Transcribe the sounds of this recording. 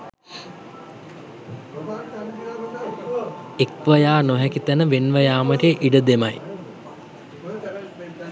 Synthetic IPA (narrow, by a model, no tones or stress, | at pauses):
ekʋəjaːnoɦɛkit̪ænəʋenʋəjaːməɾeʔiɖəd̪emɐ̰j